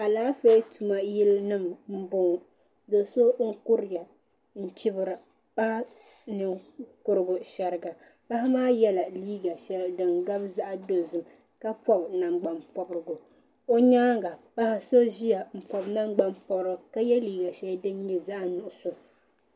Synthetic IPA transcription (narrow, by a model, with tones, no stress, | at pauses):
a˨laː˦fe˦tu˨ma˦ji˦lnɨ˦mm̩˦bʊ˦ŋ˨ | do˨so˦ŋ̩˦kʊ˦ɾɪ˦˨ja˨ | n̩˦˨t͡ʃɪ˦bɨ˨ɾɨ˨ | pa˦hnɨ˨kʊ˦ɾɨ˦ɡʊ˨ʃa˨ɾɨ˨ɡa˨ | pa˦ha˦maː˦jɛ˦la˨liː˦ɡa˨ʃɛ˦ldɨ˨ŋɡa˦bza˦ʔa˨do˨zɨ˨m | ka˦pɔ˦bna˨ŋ͡mɡ͡ba˨mpɔ˨bɾɨ˨ɡʊ˨ | o˦ɲaː˦ɡa˨pa˦ha˨so˦ʒi˦ja˨m̩˨pɔ˨bna˦ŋ͡mɡ͡ba˦mpɔ˦bɾɨ˨ka˦jɛ˦liː˦ɡa˨ʃɛ˦ldɨ˦n˦ɲi˨za˦ʔnʊ˨ʔʊ˨so˨